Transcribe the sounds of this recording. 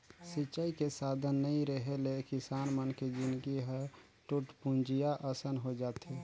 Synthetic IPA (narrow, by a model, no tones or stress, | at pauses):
sit͡ʃaikesaːd̪ʱənːəĩɾəɦelekɪsaːnmənked͡ʒɪ̃nd̪ɡiɦɛ | ʈuʈpũnd͡ʒijaʔəsənɦod͡ʒaːt̪ɦe